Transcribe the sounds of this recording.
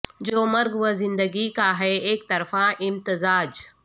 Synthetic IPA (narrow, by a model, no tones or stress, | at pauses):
d͡ʒoːmɐɾɡʋəzɪ̃nd̪əɡikaɦɛeːk̚t̪ɐɾfãʔɪmt̪ɪzaːd͡ʒ